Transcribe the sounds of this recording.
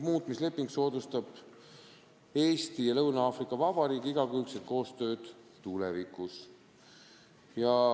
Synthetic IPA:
muːt̪ˑmisle̞pːˑiŋɡ̥so̞ːd̪ust̪ɑb̥ | e̞ːst̪ijɑlɤwnɑɑːfrikːˑɑvɑb̥ɑɾiːkiiɡ̥ɑkylt̪set̪̚ko̞ːst̪ø̞ːd̪̥ | t̪ulɛvikus | jɑ

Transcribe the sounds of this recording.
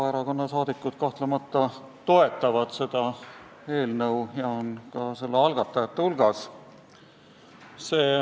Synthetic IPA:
ɑeɾɑko̞nːɑsɑːd̪̥ikːˑut̪̚kɑht̪lemɑt̪ːɑ | t̪o̞e̞t̪ːˑɑvɑd̪̥se̞d̪̥ɑ | e̞ːlnɤwjɑonkɑse̞lːeɑlɡ̥ɑt̪ːˑɑjɑt̪ːehulɡ̥ɑs | se̞ː

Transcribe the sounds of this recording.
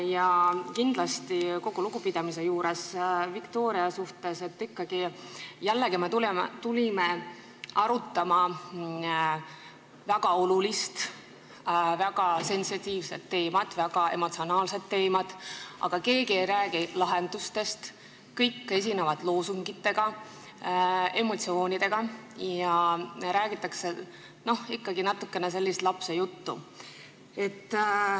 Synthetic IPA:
jɑkind̪̥lɑst̪iko̞ɡ̥uluɡupid̪̥ɑmise̞juːɾe̞svikt̪o̞ːɾiɑsuht̪e̞se̞t̪ːˑikːɑɡ̥ijælːe̞ɡimet̪ult̪ulime | ɑɾut̪ːˑɑmɑ | væɡ̥ɑo̞lulist̪ | væɡ̥ɑse̞nsit̪ʲiːvse̞t̪ːe̞ːmɑd̪̥væɡ̥ɑe̞̰mo̞t̪sio̞nɑːlse̞d̪̥̚ːe̞ːmɑd̪̥ʔɑ̰ɡ̥ɑke̞ːɡie̞jɾæːɡ̥ilɑɦe̞nd̪̥ust̪e̞st̪ | kɤjkːe̞s̬ʲinevɑd̪lo̞ːsuŋɡit̪ːe̞ɡ̥ɑ | e̞mo̞t̪sio̞ːnʲid̪̥e̞ɡ̥ɑjɑɾæːɡ̥it̪ːˑɑkse̞ | no̞hikːɑɡ̥inɑt̪ːˑukːe̞nes̬e̞lːist̪lɑpse̞jut̪ːṵ | e̞t̪ːˑ

